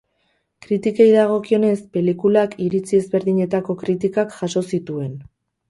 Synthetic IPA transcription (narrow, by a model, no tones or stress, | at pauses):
kɾit̪ikejðaɣ̞o̞kio̞ne̞spe̞likulakiɾit͡sie̞zβe̞ɾðiɲe̞t̪ako̞kɾit̪ikakʝaʃo̞sit̪ue̞n